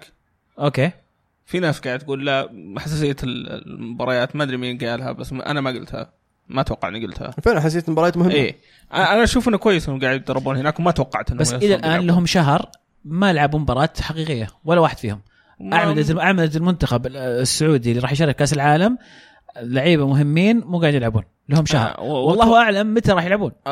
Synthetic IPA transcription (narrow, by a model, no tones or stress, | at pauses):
ʔoːkeː | finaːsɡaʕɪd̪t̪ɡuːlːaħasːaːsɪjːal̰mʊbɑɾˤɑjaːt̪maʔd̪ɾiminɡaːlha̰basːʔa̰namaɡʊ̰lt̪ha̰ | mat̪wɑqːɑ̰ʕniɡʊlt̪ha̰fenaħas̬eːt̪mbɑɾɑjaːt̪mʊhɪmːiː | ʔaʔanaʃuːfɪnakwajːɪshʊmɡaːʕd̪̚d̪ɑɾˤːɑbuːnhɪnaːkwmat̪wɑqːɑʕt̪ʔɪnːbasːʔɪlalʔaːnlːaɦʊmʃaɦɾˤ | majalʕabuːmbɑɾˤɑːt̪ħaqiːqɪjːawalːawaːħɪd̪̥fiːhʊm | ʔaʕmalat̪ʔaʕmalat̪ɪlmʊnt̪axabɪsːʊʕuːd̪ilːiɾˤɑːħjʃɑɾˤɪkkːaːsɪlʕaːlam | laʕiːbamʊɦɪmːiːnmuːɡaʕd̪jɪlʕabṵːn | lahʊmʃa̰hɾˤwɑllˤːɑːhʔaʕlamːɪt̪aɾˤɑːħjɪlʕabuːn